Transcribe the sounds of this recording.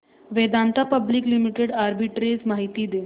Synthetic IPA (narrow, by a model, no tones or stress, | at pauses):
ʋed̪ãnt̪ʰapəbliklimiʈeɽaɾbiʈɾed͡zmaɦit̪iːd̪e